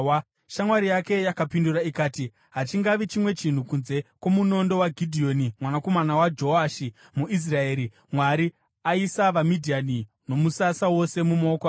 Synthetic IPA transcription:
ʃamwaɾijake̞jakapinduraikaːti | ɦat͡ʃiŋɡaʋit͡ʃimwe̞t͡ʃin̤ukunze̞kwo̞muno̞ndo̞waɡʱidʱio̞nimwanako̞manawad͡ʒo̞aːʃi | muʔis̬rae̞ːɾi | mwaɾi | aisaʋamidʱiani | no̞musasawo̞se̞mumoːka

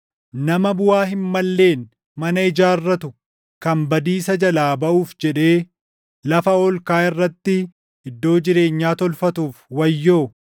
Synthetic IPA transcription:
nɐmɐbʊwaːɦɪmːɐlːe̞ːn | mɐnɐɪd͡ʒaːrːɐt̪ʊ | kɐmbɐd̪iːsɐd͡ʒɐlaːbɐʔuːfd͡ʒɛᶑe̞ː | lɐfɐɔlkaːɪrːɐt̪ːɪ | ɪd̪ːo̞ːd͡ʒɪɾe̞ːɲːaːt̪ɔlfɐt̪uːfwɐjːo̞ː

